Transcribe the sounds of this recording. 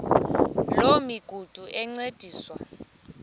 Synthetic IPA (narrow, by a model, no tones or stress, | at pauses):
lomiɡ̥ʱud̥ʱuʔɛŋ͡ǀed̥ʱiːswa